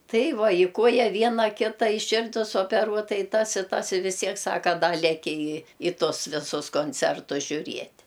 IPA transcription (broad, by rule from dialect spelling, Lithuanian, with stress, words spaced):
ˈtɐɪ ˈʋɐ ɪ ˈkuɔjɛ ˈʋʲiɛnɐ ˈkʲɪtɐ ɪ ˈʃʲɪrʲdʲɪs oːpʲɛˈruɔtɐ ɪ ˈtɐs ɪ ˈtɐs ɪ ʋʲɪs ˈtʲiɛk ˈsɑːkɐ ˈdɐ lʲɛˈkʲɪ ɪ ɪ ˈtʊs ˈʋʲɪsʊs koːnʲˈt͡sʲɛrtʊs ʒʲʊˈrʲiɛtʲ